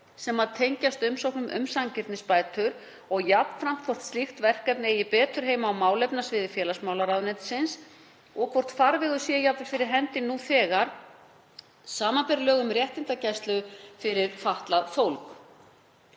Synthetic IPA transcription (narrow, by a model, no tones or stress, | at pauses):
sɛmaðt̪ʰejɲcast̪ʏmsowknʏmʔʏ̰msaŋcɪɾt̪nɪspaːjt̪ʏɾ | ɔɣjapn̥fɾam̥t̪kʰvɔr̥t̪st̪ixt̪vɛr̥kɛpnɪɛjɪpɛːt̪ʏɾ̥ɦeːjmaːwmaːwlɛpnasvɪðɪfjɛːlasmaːwlaɾawnɛt̪sɪns | ɔɣkʰvɔr̥t̪faɾvɛɣʏsjɛjapvʏɾ̥fɪɾɪɾ̥ɦɛnt̪ɪnːuθɛːɣaɾ̥ | saːmapɛɾlœːɣʏmɾjɛht̪ɪnt̪acajst̪lʏfɪɾɪɾfaht̪laðfowlk